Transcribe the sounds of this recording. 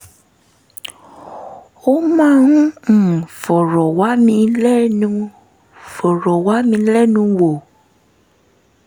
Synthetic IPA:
wo˦mã˦ŋũ˦ŋ̩̃˨fɔ˨ɾɔ˨wa˦mĩ˧lɛ˦nũ˧ | fɔ˨ɾɔ˨wa˦mĩ˧lɛ˦nũ˧wo˨

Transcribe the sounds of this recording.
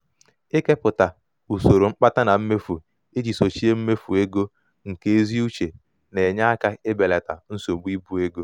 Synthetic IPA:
e˦ke˦pʊ˨ta˨ | u˨so˨ɾo˨ŋ͡m̩˦k͡pa˦ta˦na˨m̩˦me˦fu˨ | e˦d͡ʒi˨so˨t͡ʃi˦e˦m̩˦me˦fu˨e˦ɡo˦ | ŋ̩˨ke˦e˦zi˦u˦t͡ʃe˨ | ne˨ɲa˦a˦ka˦ɪ˦be˨le˨ta̰˨n̩˦so˨ɡ͡bi˦bu˦e˦ɡo˦

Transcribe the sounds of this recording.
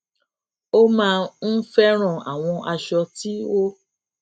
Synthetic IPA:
o˦mãː˧n̩˦fɛ˦ɾ̃ɔ̃˦˨a̰˨w̃ɔ̃˧ʔa˧ʃɔ˧ti˦o˦

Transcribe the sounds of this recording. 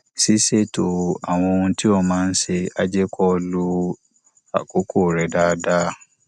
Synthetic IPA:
si˦se˦˨to˨a˨w̃ɔ̃˧o˧hũ˧ti˦ɔ˧mãː˦˧n̩˦ʃe˧a˧d͡ʒɛ˦kɔ˦lu˧ | a̰˨ko˨˦ko˦˨ɾɛ˨˦da˦˧˦da˦

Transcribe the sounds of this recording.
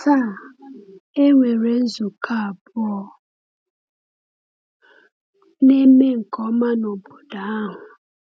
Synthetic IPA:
ta˦˨ | e˦ŋʷe˨ɾe˦n̩˦zu˨kʰa˦˨bʊ˦ɔ˦ | ne˦me˦ŋ̩˨kɔ˦ma˦no˨bo˨da˨˦a˦ɦʊ˨

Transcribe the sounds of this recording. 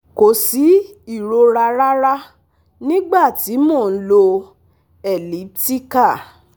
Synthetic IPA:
ko˨si˨˦i˦˨ɾo˧ɾa˧ɾa˦ɾa˦ | nĩ˦ɡ͡ba˦˨ti˨˦mɔ̃˦˨n̩˦lo˧ | ɛ˨li˨˦p̚ti˦ka˦˨

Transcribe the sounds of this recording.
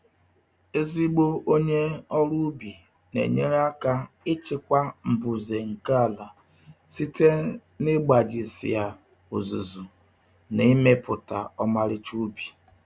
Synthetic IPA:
e˦zi˦ɡ͡bo˦o˦ɲe˦ɔ˦ɾu˦bi˨ | nḛ˨ɲe˦ɾa˦ka˦ | ɪ˦t͡ʃɪ˦kʷa˦m̩˨bʊ˨ze˨ŋ̩˨ka˦˨la˨ | si˦te˦ | nɪ˦ɡ͡ba˨d͡ʒɪ˨sɪ̰˨ja˨ | o̰˨zu˨zu˨ | ne˨i˦me˦pʊ˨ta˨ɔ˦ma˦ɾɪ˦t͡ʃu˦bi̥˨

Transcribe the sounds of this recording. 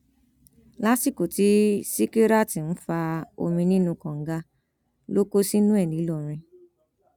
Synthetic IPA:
la˦si˦˨ko˨ti˨˦si˦ke˦ɾa˦˨ti˨n̩˦fa˧o̰˧mĩ˧nĩ˦nũ˧kɔ̃˨ŋ̩˦ɡa˧ | lo˦ko˦si˦nũ˦ɛ˦˨nĩ˨˦lɔ˦˨ɾ̃ĩ˧

